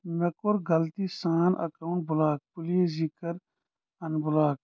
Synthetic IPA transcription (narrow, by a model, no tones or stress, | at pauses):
mekoɾɡɐlt̪isaːnʔɐ̰kawʊɳʈ̚bulaːk̚puliezikəɾ | ɐnbulaːk̚